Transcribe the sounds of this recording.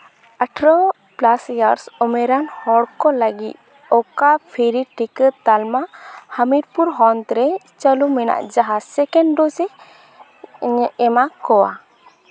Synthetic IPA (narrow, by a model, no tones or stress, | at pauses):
aʈʰɾɔ | plasjaɾsɔmɛɾanhɔɽkɔləɡḭt̪̚ | ɔkapʰiɾiʈikət̪almahamiɾpuɾɦɔnt̪ɾɛ | t͡ʃəlumɛna̰ʔd͡ʒaɦasɛkɛɳɖɔsɛ | ɛmakɔwa̰